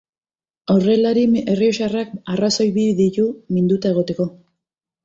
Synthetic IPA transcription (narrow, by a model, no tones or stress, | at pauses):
ore̞laɾie̞rioʃarakaraso̞jβiðit̪umind̪ut̪aeɣ̞o̞t̪e̞ko̞